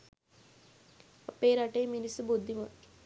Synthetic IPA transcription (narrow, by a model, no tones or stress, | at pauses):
ɐpeːɾaʈejminisubud̪ʱːimo